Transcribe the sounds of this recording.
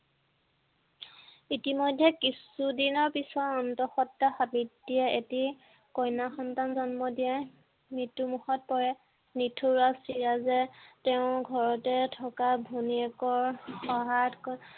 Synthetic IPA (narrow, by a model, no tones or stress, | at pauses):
itimɔjdʱːɛkisudinɔɹpisɔɔntɔxɔtːaxabitdiɛeti | kɔjnaxɔntanzɔnmɔdijɛ | mɹitːumuxɔt̚pɔɹɛ | nitʰoɹasiɹazɛtɛʊ̃ɡʱɔɹɔtɛtʰɔkabʱuniɛkɔɹxɔɦatkɔ